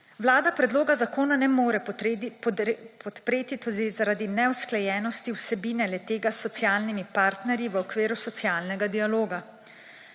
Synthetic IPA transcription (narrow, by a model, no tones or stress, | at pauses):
ʋlaːd̪apɾɛd̪loːɡazakoːnanɛmoːɾɛppʰɔt̪pɾeːt̪it̪od̪izaɾad̪inɛwsklɛjɛːnɔst̪iwsɛbiːnɛlɛt̪eːɡasːɔt̪sjaːlnimipaːɾt̪nɛɾjiʋəɔkʋeːɾusɔt̪sijaːlnɛɡad̪ialoːɡa